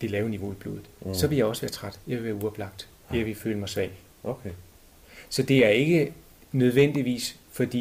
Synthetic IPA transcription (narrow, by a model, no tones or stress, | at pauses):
d̥e̝lɛːʊniʋo̝ib̥lo̝̰ːðð̩ˠsɒ̽ʋe̝jɑ̈ɪɒ̽səʋæːɐt͡sʰʁad̥jɑʋeʋæːɐuɒb̥lɑ̈ɡ̥̚d̥ | jaʋe̝fø̰ːləmɑ̈ɪsʋɛ̰ɪ | sɒ̽d̥e̝æɐe̝ɡ̥ə | nøð̞ˠʋen̰d̥iʋḭːs | fɒ̽d̥ḭ